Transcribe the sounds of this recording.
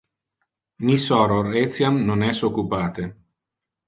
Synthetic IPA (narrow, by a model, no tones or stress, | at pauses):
misɔɾoɾet̪sjamnonɛsokːupaːt̪e